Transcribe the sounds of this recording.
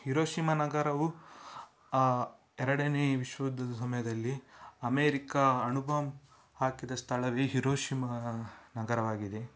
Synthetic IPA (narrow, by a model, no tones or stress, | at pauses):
hiɾoːʃimɐnɐɡɐɾɐʋu | ɛɾɐɽɐneːʋiʃʋɐd̪ːɐd̪ɐsɐmɐjɐd̪ɐlːiɐmeːɾikɐɐnubʱɐm | haːkid̪ɐst̪ʰɐɭɐʋeɦiɾoːʃimɐnɐɡɐɾɐʋaːɡid̪e̞